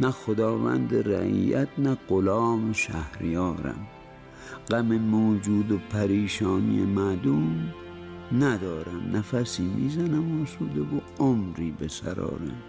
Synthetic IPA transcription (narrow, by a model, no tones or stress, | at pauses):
næxod̪ɒːvæ̰nd̪eɾæ̰ʔḭːjæt̪næɢolɒːmeʃæhɾijɒːɾæ̰m | ɡæmemoːd͡ʒuːd̪opʰæɾiːʃɒːnḭjemæd̪um | næd̪ɒːɾæmnæfæsiːmiːzænæmoːsuːd̪evo | omɾiːbesæ̰ɾɒ̰ːɾæ̰m